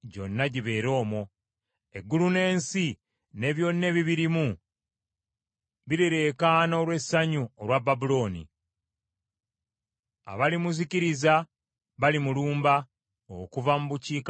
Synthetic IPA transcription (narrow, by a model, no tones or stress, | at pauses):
ɟo̞̰nːaɟiβe̞ːɾo̞ːmo̞ | e̞ɡːulune̞ːnsi | ne̞ːβjo̞nːe̞βiβiɾimu | βiɾeɾekaːno̞ːlwe̞sːaɲuolwabːabulo̞ːnḭ | a̰βalimuziciɾiza | βalimuluːmba | okuvamuβuciːk